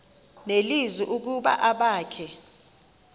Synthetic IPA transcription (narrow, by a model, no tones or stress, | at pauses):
nelizwiʔuk̬uɓa̰ʔaɓaːkʰɛ